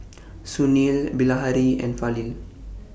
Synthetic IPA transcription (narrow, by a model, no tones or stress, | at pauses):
sunilbilaɦaɾiɛ̰̃nfalil